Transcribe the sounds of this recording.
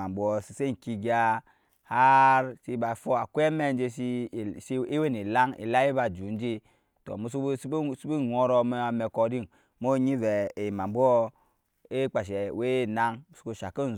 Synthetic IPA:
a˨mbu˦ɔ˨si˨se˦˨ki˧ɡa˦ | ha˦ɾsi˦ba˨fo˦a˨kʷe˦me˦˨n˦d͡ʒe˦si˦˨si˦we˦ni˨la˦ŋḭ˨la˦ji˦ba˨d͡ʒu˨˦n˦d͡ʒi˦ | to̰˨mu˨˦su˦ssi˦bi˦no˦ɾɔ˦˨m˦a˨me˨ko˨di˦˨n | mo˦ɲi˦vɛ˨e˨ma˨mbu˦ɔ˦ | e˦k͡pa˨ʃ̬e˨we˦˨na˦ŋmu˨su˦ko˦˨ʃa˨ki˦n˨

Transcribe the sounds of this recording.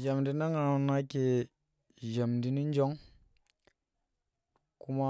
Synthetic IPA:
d͡ʒa˨mdi˦na˦ŋa˨ɾu˨na˦ke˨ | ʒa˨mdi˦ni˦n˦d͡ʒo˦ŋ | ku˦ma˦

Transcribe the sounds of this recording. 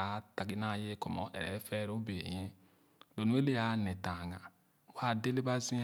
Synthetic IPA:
a˨˦ta˨ɡi˦na˦je˦ko˨mo̰˨˦ʔɛ̰˨ɾḛ˨˦fe˦ɾo˦be˨ji˦ | do˨nu˦e˦le˦ja˨ne˨ta˨ŋa˨ | wa˦de˦le˦ba˦zi˦

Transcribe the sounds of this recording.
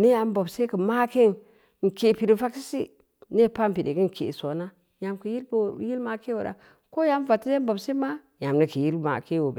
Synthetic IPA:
ne˦a˨m˦bo˨bse˦kə˨ma˦ke˦n | ŋ̩˨ke˨pi˨ɾi˨fa˦ksi˦si˦ | ne˦˨pa˦m˨pi˨dḛ˨ki˦ŋ˨kʰḛ˨so˨˦na˦ | ja˨mki˨ji˦lbji˦lma˨˦ke˦wo˨ɾa̰˨ | ko˦ja˦m˦va˨ti˦e˦bo˨bse˦ma˦ | ja˨mni˨ki˨ji˦lma̰˨ke˦wo˨b

